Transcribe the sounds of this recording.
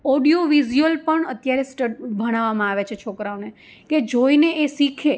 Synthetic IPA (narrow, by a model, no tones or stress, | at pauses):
ɔɖijoʋiziəlpəɳət̪jaɾesʈəbʱəɽ̃aʋamãaʋet͡ʃʰet͡ʃʰokɾaone | ked͡ʒoineʔesikʰe